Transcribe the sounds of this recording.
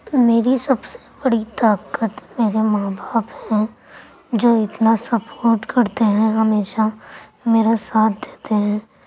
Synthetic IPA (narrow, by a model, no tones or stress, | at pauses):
meːɾisɐbse̥bɐɽit̪aːkət̪meːɾemaːbʱaːphɛ̃ | d͡ʒoːɪt̪nasɐpoːɾʈkɐɾt̪eɦɛ̃ɦɐmeːʃameːɾasaːt̪ʰd̪eːt̪eɦɛ̃ː